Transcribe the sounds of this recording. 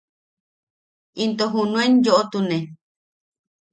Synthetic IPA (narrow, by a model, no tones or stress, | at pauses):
int̪oɦũnũend͡ʒoʔot̪unẽ